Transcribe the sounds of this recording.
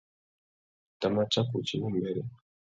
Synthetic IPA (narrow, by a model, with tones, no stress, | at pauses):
ta˨ma˦t͡ʃa˦ku˨t͡ʃi˦ʔu˦mbɛ˦ɾɛ˦